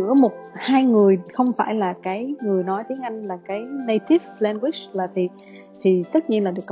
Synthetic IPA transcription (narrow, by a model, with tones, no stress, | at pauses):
ɨ̰˧˥əmo˨˩t̚haː˧jŋɨ˨˩əjxə˧wŋ͡mfa̰ː˧˩jlaː˨˩kaː˨˦jŋɨ˨˩əjnɔ˨˦jt̪i˨˦əŋʔa˧jŋ̟laː˨˩kaː˨˦jnə˧jt̪i˦˥vlɛ˧nɡwi˦˥slaː˨˩t̪ʰi˨˩ | t̪ʰi˨˩t̪ə˦˥t̚ɲi˧ənlaː˨˩ɗɨ˨˩kː